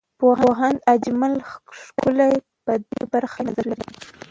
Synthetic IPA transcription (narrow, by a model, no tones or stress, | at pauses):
poɦaɦand̪ad͡ʒmalʃkʊlaj | pəd̪ḛbaɾxanazaɾlaɾi